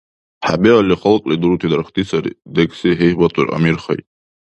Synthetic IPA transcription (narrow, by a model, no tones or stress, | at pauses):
ħabealiχalqʼlid̪uɾut̪ʰid̪aɾχt̪ʰisaɾḭd̪ekʼsiɦejhbatʼurʔa̰mirχa̰j